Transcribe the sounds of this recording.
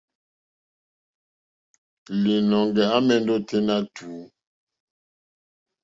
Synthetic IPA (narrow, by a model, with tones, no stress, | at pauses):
li˨nɔ˨ŋɡɛ˨a˦mɛ˨n˦do˦te˦na˦tʰuː˨˦